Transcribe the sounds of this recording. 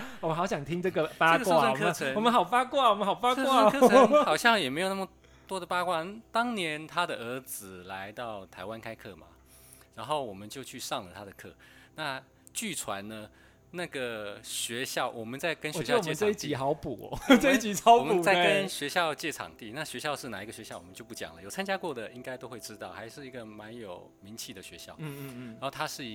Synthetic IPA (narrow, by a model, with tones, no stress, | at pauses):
wɔ˨˩˦xɑ˧˥ʊɕjɑ˨˩ŋt̪ʰi˦˥ŋʈ͡ʂɤ˥˩ɡə˩pa˥˧əskwa˥˧˥wɔ˨ɤmə˥˦t͡sʰə˦ŋwɔ˨mə˦nxɑ˨˩ʊfa˥kwa˥˩wɔ˨˩mə˦xɑ˨˩ʊfa˥kə˥wa˥˨˥kʰə˧xɑ˨˩ʊɕjɑ˥˩ŋjɛ˨˩me˧˥ɪjna˥˩mə˩ | t̪wɔ˥d̪ə˨pa˥kwa˥˩nt̪ɑ˥ŋnjɛ˧˥nt̪ʰa˥d̪ə˨ə˧˥t͡sɹ̩˨˩la˧˦˥ɪt̪ɑ˥˩ʊt̪ʰa˧˥ɪwa˥nkʰa˥ɪkʰɤ˥˩ma̰˩ | ɻa˧˥nxo˥˩ʊwɔ˨˩mə˦nt͡ɕjo˥˧ʊt͡ɕʰy˥˧ʂɑ˥˩ŋlə˨t̪ʰa˥d̪ə˩kʰɤ̰˥˩na˥˩ | t͡ɕy˥˩t͡sʰwa̰˧˥nnə˧ | na˥˩ɡə˩ɕɥɛ˧˥ɕjɑ˥˩ʊwʔɔ˨˩mə˦nt͡sa˥˩ɪkə˥nɕɥɛ˧˥ɕjɑ˥˧˥t͡ɕjɛ˥˧˩ə˥˧i˥t͡ɕii˨˩xɑ˨˧˥ʊpu˨˩˦t͡sə˥˧i˥t͡ɕi˨˩t͡sʰɑ˨˦ɔ˨˩məu˦n˨˩t͡sa˥˩ə˦˥nɕɥɛ˧˥ɕjɑ˥˧ʊt͡ɕjɛ˥˩ʈ͡ʂʰɑ̰˨˩ŋt̪i˥˩na˥˩ɕɥɛ˧˥ɕjɑ˥˧ʊʂɻ̩˥˩na˨˩i˧˥ɡə˧ɕɥɛ˧˥ɕjɑ˥˩ʊwɔ˨˩ə˦t͡ɕjo˥˧ʊpu˥˩t͡ɕjɑ̰˨˩ŋlə˦jo˨˩t͡sʰa˥nt͡ɕja˥kwɔ˥˩d̪ə˩i˥ŋka˥ɪt̪o˥ʊxwe˥˩ɪʈ͡ʂɻ̩˥t̪ɑ˥˩ʊxa˧˥ɪʂɻ̩˥˩i˧˥ɡə˧˨ma˧˥njo˨˩ʊmi˧˥ŋt͡ɕʰi˥˩d̪ə˩ɕɥɛ˧˥ɕjɑ˥˩ʊ˥˧ɻa˧nxo˥˩t̪ʰa˥ʂɻ̩˥˩˧